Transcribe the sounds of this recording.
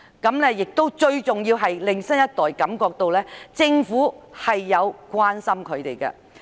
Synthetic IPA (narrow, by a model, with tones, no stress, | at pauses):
kɐ˨˧˥mnɛː˥jɪ˨k̚t̪o˥wt͡ʃɵ˧ɥt͡sʊ˨ŋjiː˧wɦɐ˨jlɪ˨ŋsɐ˥njɐ˥t̚t̪ɔː˨jkɐ˨˥mkɔː˧k̚t̪o˧wlɛː˥t͡sɪ˧ŋfuː˨˥hɐ˨jːɐ˨˧wkʷaː˥nsɐ˥mkʰɵ˨˧ɥt̪e˨jkɐ̰ː˧